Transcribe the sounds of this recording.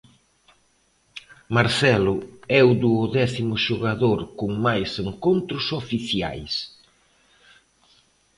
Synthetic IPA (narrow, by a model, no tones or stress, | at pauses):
maɾθɛlʊɛud̪uðɛθimʊʃoɣaðoɾkʊŋmajseŋkont̪ɾʊsofiθja̰js